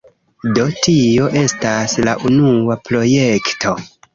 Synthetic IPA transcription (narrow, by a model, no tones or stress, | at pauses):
do̞tio̞ʔe̞stasla̰ʔunuapɾo̞je̞ktʰo̞